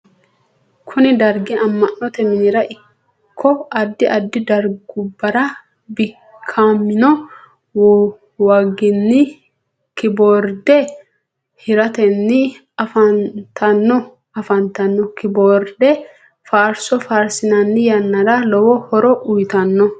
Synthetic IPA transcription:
kʰʊnɪd̪ɐɾɡɪɐmːɐnːɔt̪ɛmɪnɪɾɐʔɪ | kʰːɔɐd̪ːɪʔɐd̪ːɪd̪ɐɾɡʊbːɐɾɐ | bɪ | kʰːaːmːɪnɔ | wɐɡɪnːɪ | kɪboːɾd̪ɛ | hɪɾɐt̪ɛnːɪ | ɐfɐnt̪ʰɐnːɔ | ɐfɐnt̪ɐnːɔkɪboːɾd̪ɛ | faːɾsɔfaːɾsɪnɐnːɪjɐnːɐd̪alɔwɔhɔɾɔʔʊjt̪ɐnːɔ

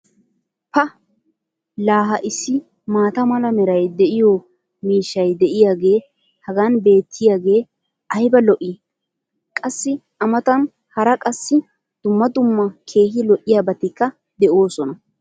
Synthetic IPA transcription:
pɐ | laːɦɐʔɪsːɪ | maːt̪ɐmɐlɐmɛɾɐjd̪ɛʔɪjɔ | miːʃːɐjd̪ɛʔɪjaːɡe̞ː | hɐɡaːnbe̞ːt̪ʰːɪjaːɡe̞ː | ɐjbɐlɔʔɪ | kʼɐsːɪ | ɐmɐt̪ɐn | hɐɾɐkʼɐsːɪ | d̪̥ʊmːɐd̪ʊmːɐkʰe̞ːɦɪlɔʔɪjaːbɐt̪ːɪkːɐ | d̪ɛʔoːsɔnɐ

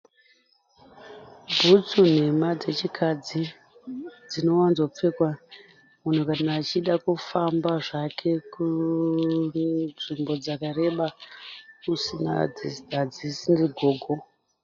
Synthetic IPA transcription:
bʱut͡sun̤e̞mad͡ze̞t͡ʃikʰad͡zi | d͡zino̞wanzo̞p͡fekwa | mun̤ukanaːt͡ʃiɗakufambaʐakʰe̞ku | ʐimbo̞d͡zakare̞ɓa | usina̰d͡zisdʱad͡zisiniɡʱo̞ːɡʱo

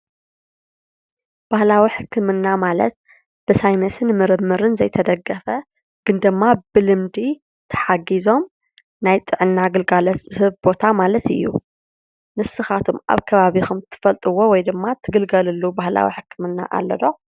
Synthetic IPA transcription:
b̥ahlawiħɨkːɨmɨnːamalɐ̰t̪̚ | b̥ɨsajnɐsɨnmɨɾɨmːɨɾɨnzɐ̰jt̪ʰɐd̪ɐɡːɐfɐ | ɡ̥ɨnd̪ɨmːabɨlɨmd̪i | t̪ʰɐ̥ħaɡizo̞m | najt̪ʼɨʕɨnːaɡɨlɡalɐt̪ɨhɨβbo̞t̪ʰamalɐt̪ɨ̰jːṵ | nɨsːɨxat̪ʰumʔa̰βkʰɐβaβixumt̪ʰɨ̥fɐlt̪ʼɨwowɔjd̪ɨmːat̪ʰɨɡɨlɡɐlɨlːubahla̰wḭħɨkːɨmɨnːa̰ʔa̰lːɐ̰d̪o

